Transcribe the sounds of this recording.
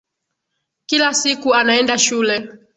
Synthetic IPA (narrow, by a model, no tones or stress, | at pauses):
kilasikuanaɛndaʃulɛ